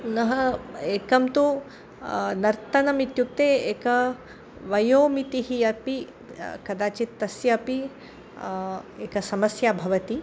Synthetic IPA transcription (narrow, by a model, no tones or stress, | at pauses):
nɐɦɐeːkɐmt̪u | nɐɾt̪ɐnɐmit̪juk̚t̪eːeːkɐ | ʋɐjoːmit̪iɦijɐpi | kɐd̪aːt͡ʃit̪ːɐsjɐɐpi | eːkɐsɐmɐsjaːbʱɐʋɐt̪i